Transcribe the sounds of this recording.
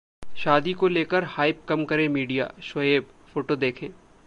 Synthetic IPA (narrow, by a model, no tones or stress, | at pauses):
ʃaːd̪ikoleːkəɾhaːɪp̚kɐmkɐɾẽmiːɖija̰ːʃwɐjeːb | foːʈod̪eːkʰẽː